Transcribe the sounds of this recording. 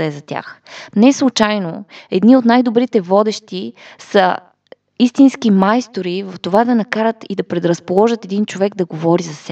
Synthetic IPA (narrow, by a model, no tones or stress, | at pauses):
ɛzɐt̪ʲja̰xnɛslˠut͡ʃajnoɛd̪niot̪najd̪obɾit̪ɛvɔd̪ɛʃt̪isə | ist̪inskimajst̪oɾivɐft̪ovad̪ɐnɐkaɾət̪id̪ɐpɾɛd̪ɾɐspolˠɔʒət̪ɛd̪int͡ʃovɛɡd̪ɐɡovɔɾizɐsɛ